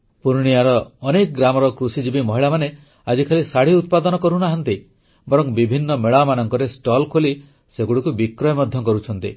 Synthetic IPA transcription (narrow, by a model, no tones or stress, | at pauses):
puɾɽ̃ijaɾɔːnekɔɡɾamɔɾɔkɾusid͡ʒibimɔɦiɭamane | ad͡ʒikʰalisaɽ̤iut̪̚pad̪ɔnɔkɔɾunaɦɔnt̪i | bɔɾɔŋbibʱinːɔmeɭamanɔŋkɔɾesʈɔlkʰoli | seɡuɽukubikɾɔjɔmɔd̪ʱjɔkɔɾut͡ʃʰɔnt̪ḭ